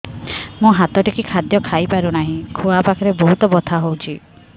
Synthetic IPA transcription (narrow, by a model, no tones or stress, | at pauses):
mũɦat̪ɔʈikikʰad̪jɔkʰajpaɾunaɦĩkʰuapakʰɔɾebɔɦut̪ɔbɔt̪ʰaɦowt͡ʃʰi